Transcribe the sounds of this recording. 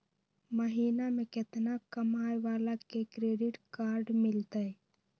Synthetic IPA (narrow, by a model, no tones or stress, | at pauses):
məɦiːnamẽkɪt̪nakəmaːjʋaːlakekɾeːɖɪʈkaːɾɖmɪlt̪ae